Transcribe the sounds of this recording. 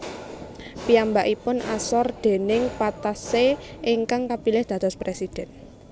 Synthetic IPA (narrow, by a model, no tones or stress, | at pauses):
piambaʔipʊnʔa̰sɔrd̪̥e̤nɪŋpat̪aseiŋkaŋkapilɪhd̪̥ä̤d̪̥ɔspɾesid̪̥ɛn